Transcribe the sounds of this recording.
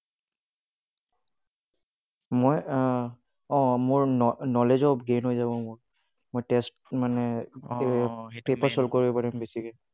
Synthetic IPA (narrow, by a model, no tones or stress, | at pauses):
moj | ɔ̃mʊɹɔnɔlezɔbɡenɦojzabɔmʊɹ | mojtɛstmanɛ | pepaɹsɔlkɔɹibɛpaɹɛmbesiɡɛ